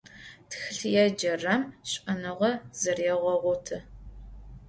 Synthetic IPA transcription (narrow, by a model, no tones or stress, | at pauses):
tʰxɨɬjɛd͡ʒɐrɐmɕʼɐnɨʁɐzɨrɛʁʷɔʁʷʊtʰɨ